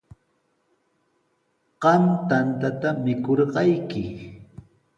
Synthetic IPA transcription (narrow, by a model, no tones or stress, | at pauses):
ɢɑmt̪ant̪at̪amɪkoɾɢɑjkɪ